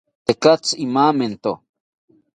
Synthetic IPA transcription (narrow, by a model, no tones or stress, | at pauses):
t̪ekat͡simament̪o